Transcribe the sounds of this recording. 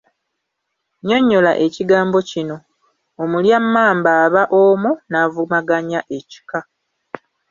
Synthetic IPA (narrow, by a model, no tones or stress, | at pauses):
ɲo̞ɲːo̞la̰ʔe̞ciɡaːmbo̞cino̞ | omuljamːaːmbaːβaʔomunavumaɡaɲaʔe̞ci̥ka